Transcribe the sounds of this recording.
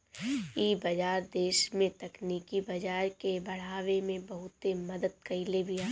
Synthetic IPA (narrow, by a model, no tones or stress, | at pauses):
iːbɐd͡ʒaːɾd̪eːʃmẽt̪ɐkniːkibɐd͡ʒaːɾkebɐɽ̤aːwemẽbɐɦʊt̪emɐd̪əd̪̚kɐɪlebʱiaː